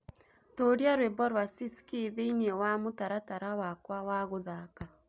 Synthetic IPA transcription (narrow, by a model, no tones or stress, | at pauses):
toːɾjaɾwebɔɾwasiskiðeiɲewamotaɾataɾawakwawaɣoðaka